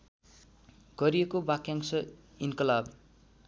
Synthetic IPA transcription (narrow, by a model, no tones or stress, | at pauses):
ɡ̥ʌɾijekobakjaŋsʌ | inkʌlab